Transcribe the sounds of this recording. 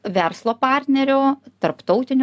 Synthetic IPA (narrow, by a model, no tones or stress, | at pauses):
ʋʲɛɾslˠoːpɑɾʲt̪ʲnʲɛɾʲoːt̪ɐɾpt̪ɒʊt̪ʲɪnʲ